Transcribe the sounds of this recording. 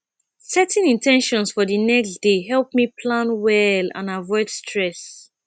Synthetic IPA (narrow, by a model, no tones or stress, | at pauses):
sɛtɛ̃nĩntʰɛ̃nʃɔ̃nsfɔðənɛksd̥eɦɛlˠp̚mipʰlãnwɛlã̰navɔɪdstʰɹɛs